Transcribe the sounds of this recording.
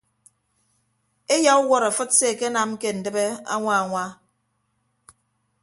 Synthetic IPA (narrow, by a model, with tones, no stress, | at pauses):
e˦ja˦u˦wɔ˦ɾa˨fɨ˦t̚se˦˨ke˦na˨m˦ke˦n̩˨dɨ˦be˦a̰˦ŋʷa˦a˨ŋʷa˦